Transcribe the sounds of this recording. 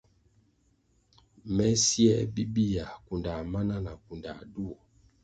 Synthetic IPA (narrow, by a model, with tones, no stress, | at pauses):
mɛ˦si˦ɛ˦bi˦bi˦ja˨ku˨nda˨ma˦na˦na˨ku˨nda̰˨du˦ɔ˨